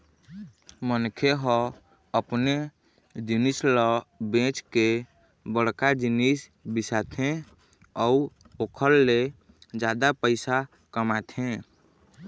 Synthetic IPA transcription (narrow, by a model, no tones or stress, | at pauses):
mənkʰeɦɔ | əpne | d͡ʒinisləbẽt͡ʃke | bəɽ̤kad͡ʒinisbisat̪ʰɦẽ | ɔu | okʰəɾːe | d͡ʒad̪apəɪsa | kəmat̪ʰɦẽ